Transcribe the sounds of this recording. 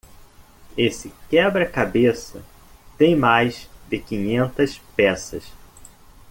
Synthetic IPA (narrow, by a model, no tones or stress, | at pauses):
esɪkɛbɾɐkabesɐ̰ | t̪ẽj̃majzd̪ɪkĩɲẽnt̪ɐspɛsɐ̰s